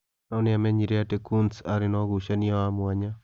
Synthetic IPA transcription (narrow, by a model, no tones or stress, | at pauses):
nɔnɪamɛɲiɾeatekunsaɾɪnɔɣuʃaniɔamwaɲa